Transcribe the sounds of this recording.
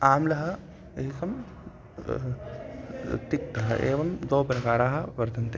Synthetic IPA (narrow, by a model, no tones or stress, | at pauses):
aːmlɐɦɐ̆ | ɦikɐm | t̪ik̚t̪ɐɦɐ̰ʔḛːʋɐmd̪oːpɾɐkaːɾaːɦɐ̆ʋɐɾd̪ʱɐnt̪e